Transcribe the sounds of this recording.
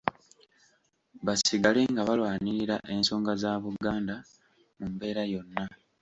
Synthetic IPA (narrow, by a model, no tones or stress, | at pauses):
βasiɡale̞ŋɡaβalwaːniɾiɾa̰ʔe̞nso̞ːŋɡazaːβuɡaːnda | mumbe̞ːɾajo̞nːa